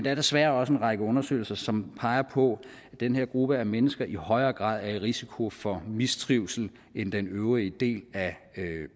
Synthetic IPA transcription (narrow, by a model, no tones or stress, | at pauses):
nd̥ɑæɐdesʋæːɐɒ̽səe̝nʁɑ̈ɡ̥əɔ̽nɐsø̰ːɪl̩sɐsɒ̽mpʰɑ̈ɪɐpʰɒ̽ | d̥enɦeɐ̰ɡ̥ʁub̥əæmenəsɡ̥ɐʔihɒ̽ɪɐːɡ̥ʁɑ̰̈ːð̰ˠæɐe̝ʁisikʰo̝fɒ̽mist͡sʰʁiʊsl̩ | end̥enøʊʁiəd̥e̝̰ːlæ